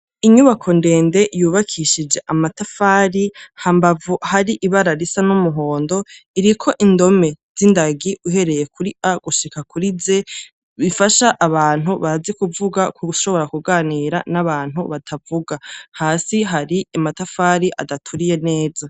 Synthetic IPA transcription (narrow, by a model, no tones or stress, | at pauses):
iɲuβakʰo̞nde̞ːnde̞juːβakʰiʃid͡ʒe̞ʔamatafaːɾihaːmbavuhaɾiʔiβaɾaɾisanumuɦo̞ːndo̞iɾikʰo̞ʔindo̞me̞z̥indaɡiuɦe̞ɾe̞je̞kuɾiaɡ̥uʃikakuɾize̞ | βifaʃaʔːβaːn̥huβaɾazikuvuɡakuʃo̞βoɾakuɡaːniːɾanaβaːn̥huβatʰavuɡahaːsiɦaɾiamatafaːɾiʔa̰datʰuɾije̞ne̞ːza